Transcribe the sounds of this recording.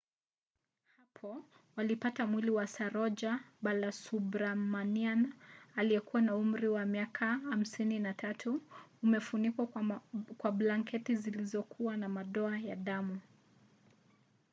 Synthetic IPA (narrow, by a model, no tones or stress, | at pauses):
hapʰɔ | walipatamwiliwasaɾɔd͡ʒaɓalasubɾamanianaliɛkuwanaum̩ɾiwamiakʰaham̩sininatʰatʰuːmɛfunikwakwablaŋkɛtizilizɔkʰuwanamaɗɔajaɗamu